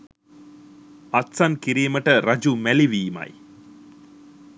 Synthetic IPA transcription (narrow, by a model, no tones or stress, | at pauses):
ɐt̪sankiɾiːməʈəɾɐd͡ʒumæliʋiːma̰j